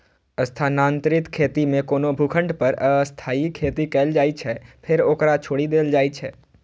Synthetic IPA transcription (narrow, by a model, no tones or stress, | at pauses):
ɐst̪ʰaːnãːnt̪ɾɪt̪kʰeːt̪imẽkoːnobʱukʰə̃ɳɖpɐɾəst̪ʰaːikʰeːt̪ikɛːld͡ʒaːit͡ʃʰɛpʰɪɾoːkɾat͡ʃʰoːɽid̪eːld͡ʒaːit͡ʃʰɛː